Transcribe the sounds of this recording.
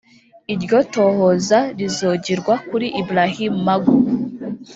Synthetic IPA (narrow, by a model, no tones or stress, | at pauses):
iɾɟo̞to̞ːhozaɾizoːɟiɾɡwakuɾiʔibuɾahimumaɡu